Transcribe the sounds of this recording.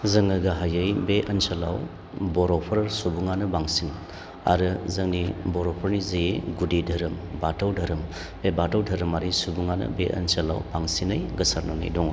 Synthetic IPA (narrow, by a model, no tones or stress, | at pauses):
zɐŋɯɡaɦajɐjbeʔɐnsalaw | bɔɾɔpʰɐɾɾsubuŋanɯbaŋsin | a̰ɾɯzɐŋnibɔɾɔpʰɐɾnizejeɡudidʱɐɾɯmbatawdʱɐɾɯm | bebatawdʱɐɾɯmaɾisubuŋanɯ̰beʔɐ̰nsɐla̰wbaŋsinɯjɡɐsaɾnɔna̰jdɔŋ